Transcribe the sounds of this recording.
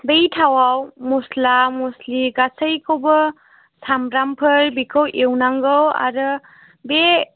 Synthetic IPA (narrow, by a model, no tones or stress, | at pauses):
bejtʰawawmuslamosliɡasəjkʰobə | samɾampʰəɾbikʰəwʔewnaŋɡɯwa̰ɾɯ | be